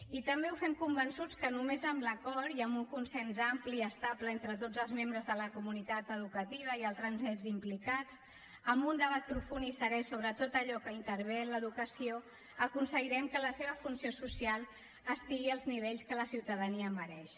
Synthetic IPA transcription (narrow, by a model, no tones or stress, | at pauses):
it̪əmbeufɛmkumbənsut͡skənumezəmləkɔɾiəmbuŋkunsɛnzampliəst̪apləent̪ɾət̪od͡zəlˠzmembɾəzðələkumunit̪at̪əð̞ukət̪iβ̞əialˠt̪ɾənzɛzimplikat͡s | əmbund̪əβ̞at̪̚pɾufunisəɾɛsoβ̞ɾət̪ot̪əʎɔkəint̪əɾβenləðukəsio | əkunsəɣiɾɛmkələseβ̞əfunsiosusialˠ | əst̪iɣiəlˠzniβ̞eʎskələsiwt̪əðəniəːməɾɛʃ